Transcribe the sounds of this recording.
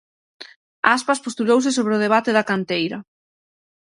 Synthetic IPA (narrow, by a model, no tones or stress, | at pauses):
aspaspost̪ulowsɪs̬oβ̞ɾeʊðeβ̞at̪ɪðɐkant̪ejɾɐ